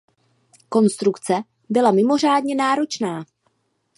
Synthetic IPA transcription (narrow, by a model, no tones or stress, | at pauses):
ko̞nst̪ɾukt͡sɛ | bɪlamɪmo̞r̝aːdɲɛnaːɾo̞t͡ʃnaː